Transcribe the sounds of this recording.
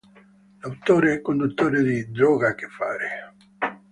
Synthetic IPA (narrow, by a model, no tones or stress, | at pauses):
d̪awt̪ːoːɾeɛkːond̪ut̪ːoːɾed̪id̪ɾɔːɡak̟efːaːɾe